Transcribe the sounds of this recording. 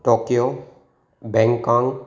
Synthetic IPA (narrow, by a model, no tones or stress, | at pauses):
ʈokjo | bɛ̃ŋkɔŋ